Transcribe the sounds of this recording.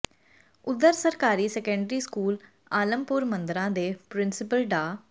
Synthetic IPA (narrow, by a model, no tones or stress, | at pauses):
ʊd̪ːəɾsəɾkaːɾiːsɛːkə̃ɳɖɾiːskuːl | aːləmpʊɾmə̃nd̪ɾãːd̪eːpɾɪnsɪpəlɖaː